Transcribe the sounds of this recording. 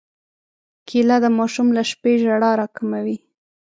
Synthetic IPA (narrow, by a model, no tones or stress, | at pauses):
kʰilad̪əmɑʃumlaʃpeʒaɽɑɾɑkamawi